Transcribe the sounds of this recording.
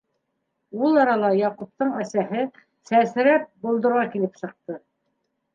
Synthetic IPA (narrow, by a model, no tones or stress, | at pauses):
ulˠɑɾɑlˠɑjɑqup̚t̪ɤɴæsæɦɘ | sæsɾæp̚bulˠd̪ɤ̆ɾʁɑkilɘpsɤ̆q̚t̪ɤ